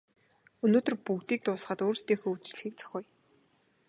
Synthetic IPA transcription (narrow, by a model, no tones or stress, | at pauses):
ɵnoːt̪ɵ̆rpuɣt̪iːk̚t̪ʊːsχə̆t̪oːrst̪ʰeːxoːut͡ɕɮ̆xiːk̚t͡sʰɔ̥xʲœːj